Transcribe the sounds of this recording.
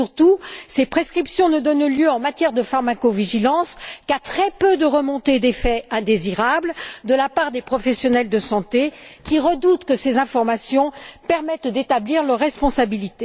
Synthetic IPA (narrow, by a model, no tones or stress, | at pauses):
yʁt̪usepχeskχipsjɔ̃nəd̪ɔnljøɑ̃mat̪jɛʁd̪əfaʁmakoviʒilɑ̃skat̪χɛpød̪əʁəmɔ̃t̪ed̪efɛɛ̃d̪eziʁabld̪əlapaʁd̪epχɔfɛsjɔnɛld̪əsɑ̃t̪ekʲiʁəd̪ut̪kəsezɛ̃fɔʁmasjɔ̃pɛʁmɛt̪d̪et̪abliʁlœʁːɛspɔ̃sabilit̪e